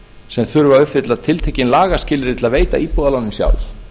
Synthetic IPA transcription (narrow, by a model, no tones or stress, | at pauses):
sɛmθʏɾʏvaʏpvɪt̪laðt̪ʰɪlt̪ʰɛcɪnlaːɣascɪːlɪɾɪt̪ʰɪlaðveːjt̪a̰iːpɔːðalanːʏmsja̰wl